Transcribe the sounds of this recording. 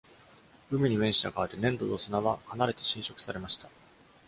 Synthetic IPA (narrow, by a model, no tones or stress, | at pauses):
ɯ̟mʲiɲ̟ime̞ɰ̃ɕi̥t̪akaːɾɯnẽ̞nd̪oosɨnaβakanaɾe̞t̪e̞̥ɕĩɰ̃ɕo̞kɯ̟̥saɾe̞maɕi̥t̪a